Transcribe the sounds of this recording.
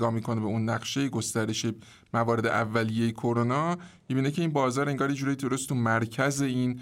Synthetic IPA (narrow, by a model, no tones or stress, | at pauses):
ɡɒːmiːkʰo̞ne̞beunːæɢʃe̞jeɡo̞st̪æɾe̞ʃe | mævɒːɾe̞d̪ḛʔævːælije̞jekʰo̞ɾonɒːmibiːnecʰe̞iːnbɒːzɒːɾe̞ŋɡɒːɾjed͡ʒuːɾjid̪oɾost̪ʰumæɾcʰæze̞iːn